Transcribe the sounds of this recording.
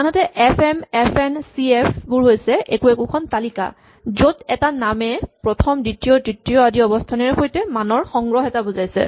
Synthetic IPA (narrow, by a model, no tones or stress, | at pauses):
anɔtɛʔɛpʰɛmɛpʰɛnsiɛpʰbuɹɦojsɛʔekuekukʰɔntalika̰ | zodɛtanamɛpɹɔtʰɔmditijɔdɹitijɔadiɔbɔstʰanɛɹxojtɛmanɔɹxɔŋɡɹɔɦɛtabuzajsɛ̰